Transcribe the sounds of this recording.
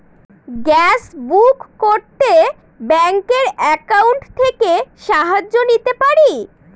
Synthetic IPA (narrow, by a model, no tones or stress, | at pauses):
ɡɛsbukːoɾt̪e | bɛŋkeɾɛkawɳʈt̪ʰekeʃaɦad͡ʑːonit̪epaɾi